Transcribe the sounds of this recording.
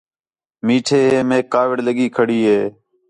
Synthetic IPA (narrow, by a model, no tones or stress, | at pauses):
miːʈʰeːɦeːmẽːkaːʋɪɽləɠiːkʰəɽiːɦeː